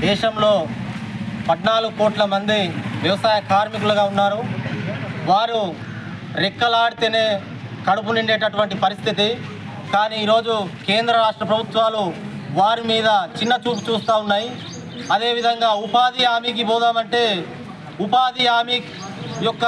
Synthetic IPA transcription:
d̪ɛːʃɐmlo̞ː | pɐʈnaːluɡukoːʈlɐmɐnd̪iʋjɐʋɐsaːjɐkaːɾmikuluɡaːunːaːɾu | ʋaːɾu | ɾekːɐlaːɽit̪ene̞ː | kɐɽup̬uniɳɖeːʈɐʈuʋɐɳʈipɐɾist̪ʰit̪̬i | kaːniːɾo̞ːd͡ʒukeːnd̪ɾɐɾaːʂʈɾɐpɾɐbʱut̪ʋaːluʋaːɾimiːd̪ɐt͡ʃinːɐt͡ʃuːp̬u̥t͡ʃuːst̪aːunːaːji | ɐd̪e̞ːʋid̪ʱɐŋɡaːupaːd̪iaːmik̬ibɔːd̪aːmɐɳʈe̞ː | upaːd̪iaːmik | jɔkːɐ

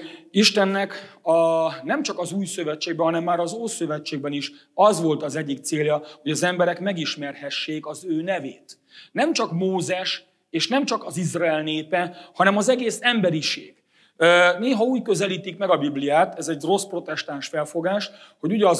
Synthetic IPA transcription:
iʃt̪ɛnːɛkɒnɛmt͡ʃɒkɒzuːjsøvɛt͡ʃːeːɡbɛɦɒnɛmːaːɾɒzoːsøvɛt͡ʃːeːɡ̚bɛniʃ | ɒzʋo̞lt̪ɒzɛɟːik̚t̪seːljɒho̞ɟɒzɛmbɛɾɛkmɛɡiʃmɛrhɛʃːeːkɒzøːnɛveːt̪ | nɛmt͡ʃɒkmoːzɛʃ | eːʃnɛmt͡ʃɒkɒzizraɛlneːpɛhɒnɛmɒzɛɡeːsɛmbɛɾiʃḛːɡ̥ | neːɦɒuːɟkøzɛliːt̪ikmɛɡɒbiblijaːt̪ɛzɛɟro̞spro̞t̪ɛʃt̪aːnʃfɛlfo̞ɡaːʃ | ho̞ɟuɟɒ

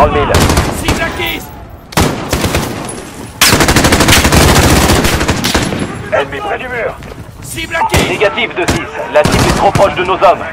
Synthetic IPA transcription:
ɔ̃lvilike | ɛlmepχɛd̪ymœʁ | ineɡat̪ivd̪əsislasipɛt̪χopχɔʃd̪ənozɔm

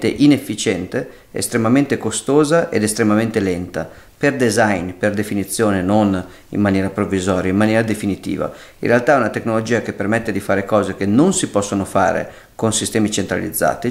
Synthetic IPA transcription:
t̪ḛʔinefːit͡ʃɛnt̪e | ḛst̪ɾemament̪ekost̪oːzaʔḛd̪est̪ɾemament̪elɛnt̪a | perd̪ezajnperd̪efinit̪sːjoːnenon | ḭmːanjɛːɾapɾovːizɔːɾjaimːanjɛːɾad̪efinit̪ḭːva̰ | ḭnrealt̪aɛunat̪eknolod͡ʒiːakepːermɛt̪ːed̪ifaːɾekɔːzekenonsipɔsːonofa̰ːɾḛ | konsist̪ɛːmit͡ʃent̪ɾa̰lḭd̪zːa̰ːt̪i

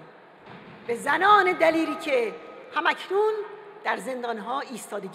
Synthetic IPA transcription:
bezænɒːne̞d̪æliːɾiːcʰe̞hæmæcʰnund̪̥æɾze̞nd̪ɒːnɦɒːʔiːst̪ʰɒːd̪e

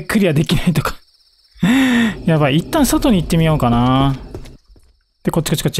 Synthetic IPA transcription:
kːɯ̟ɾʲiβad̪e̞kʲinait̪okḁ | jaβait̪ːãɰ̃sot̪o̞ɲ̟iit̪ːe̞mʲijo̞ːkana | d̪̥eko̞t͡ɕikat͡ɕːi̥kat͡ɕ

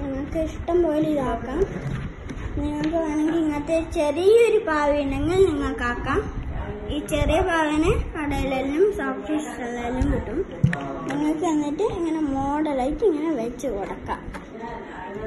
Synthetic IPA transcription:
niŋːɐɭkɨiʂʈɐmpoːjiliðaːkːaːm | niŋːɐɭkɨʋɐneŋɡiiŋːɐɭt̪ːet͡ɕerijɐoɾupaːʋinɐŋːɐɭniŋːɐɭkːaːkːaːmiːt͡ɕerijɐpaːʋinɨɐɽɐjlelnumsaːfʈissɐlːaːlnumʋiʈːum | niŋːɐɭkɨʋɐnːiʈːɨeŋːɐne̞moːɽɐlɐjtːiŋːɐne̞ʋet͡ɕːɨkɔɽɐkːa̰ːm

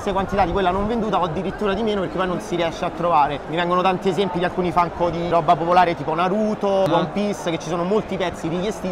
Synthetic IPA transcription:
st̪ekwant̪it̪ad̪ikwelːanoɱvend̪uːt̪aɔd̪ːiɾit̪ːuːɾad̪imeːnoperk̟epːɔjnonsiɾiɛʃːeat̪ːɾovaːɾemiɾɛŋɡonot̪ant̪iezɛmpid̪ialkuːnifaŋkod̪iɾɔbapopolaːɾet̪iːponaɾuːt̪obwɔmpisket͡ʃːisoːnomolt̪ipɛt̪sːiɾikjest̪iː

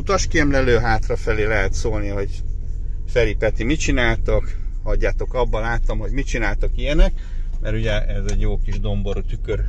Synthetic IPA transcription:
ut̪ɒʃkiɛmlɛløːɦaːt̪rɒfɛleːlɛɦɛt̪soːlniɦo̞ɟ | fɛlipɛt̪imit͡ʃinaːlt̪okhɒɟːaːt̪o̞kɒbːɒlaːt̪ːɒmɦo̞ɟmit͡ʃinaːlt̪okijɛnɛk | mʔɛɾuɟɛʔɛzɛɟjoːkiʒd̪o̞mboɾot̪ykøɾ

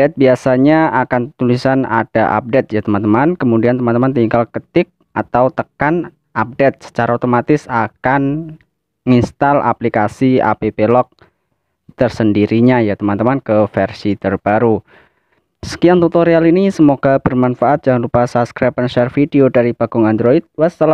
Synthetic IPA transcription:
dɛt̪̚biasaɲaakant̪ulisana̰d̥aʔa̰p̚det̪̚jat̪əmant̪əmankəmudiant̪əmant̪əmant̪iŋkalkət̪ɪk̚at̪awt̪əkan | ʔap̚dɛt̪̚sə̥t͡ʃaɾaot̪omat̪ɪsakan | ŋinst̪alʔa̰plikasia̰pepelɔk̚ | t̪ərsəndiɾiɲajat̪əmant̪əmankəfɛrsit̪ərb̥aɾu | sə̥kiaŋt̪ut̪oɾialinisəmoɡ̥ab̥ərmanfaʔat̪̚d͡ʒaŋanɾupasapskɾapənʃɛrfideodaɾib̥aɡ̥ʊŋandɾoit̪̚wast̪əla

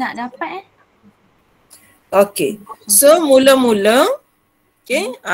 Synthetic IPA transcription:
naʔdapat̪̚ | okesomuləmulə | okea

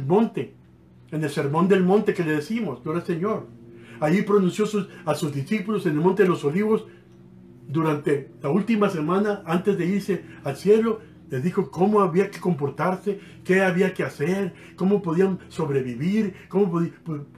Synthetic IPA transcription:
lmõ̞nt̪e̞ | ene̞lse̞ɾmo̞nd̪elmõ̞nt̪e̞ke̞le̞ðesimo̞skoɾaseɲo̞ɾajipɾo̞nũnsjo̞susasuzd̪isipulose̞nelmont̪eðelo̞so̞liβo̞s | d̪uɾant̪e̞lault̪imasemãnaant̪ezðe̞iɾse̞alsje̞lo̞ | le̞zðixo̞ko̞moaβiake̞ko̞mpo̞ɾt̪aɾse̞ | ke̞aβiake̞ase̞ɾ | ko̞mo̞po̞ðianso̞βɾe̞βiβiɾkomopðip

